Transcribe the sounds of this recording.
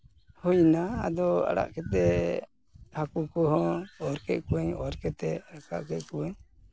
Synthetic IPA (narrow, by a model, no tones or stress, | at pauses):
hɔjna̰ːd̪ɔa̰ɽa̰ʔkɛt̪ɛ | hakukɔɦɔɔɾkɛʔ̪̚kuwɛɲɔɾkɛt̪ɛaka̰ʔkɛt̪̚kuwɛɲ